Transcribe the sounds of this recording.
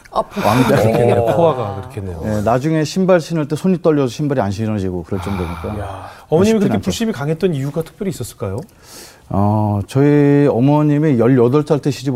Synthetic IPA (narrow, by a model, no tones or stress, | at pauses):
apʰwaŋɡaenepʰoaɡakɯɾʌkʰenːejoje̞nad͡ʑuŋe̞ɕʰimbaɭɕʰinaɭt͈esʰoɲit͈ʌʎːʌsʰʌ̥ɕʰimbaɾianɕʰiɾʌd͡ʑiɡokɯɾʌnt͡ɕ͈ʌmɡoɲik͈ajaʌmʌɲiimikɯaenpuɕ͈imikaŋɦe̞t̚t͈ʌnijuɡatʰɯ̥pʰjʌɾis͈ʌs͈ɯɭk͈ajo | ʌt͡ɕʌiʌmʌɲimijʌʎjʌdʌɭt͡ɕʰaɭt͈ʰeɕʰid͡ʑib